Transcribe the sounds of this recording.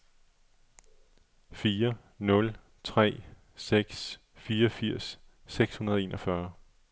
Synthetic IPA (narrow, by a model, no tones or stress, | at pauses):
fiːɐ | nɔ̽l | t͡sʰʁɛ̰ː | seɡ̥s | fiːɐɒfiɐ̰sː | eɡ̥shunɐð̞ˠɒe̝ːnʔɒfɶɐ